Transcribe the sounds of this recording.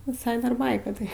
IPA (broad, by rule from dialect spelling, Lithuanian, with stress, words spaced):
ʋʲɪˈsɐɪ dɐr ˈbɐɪkɐ tɐɪ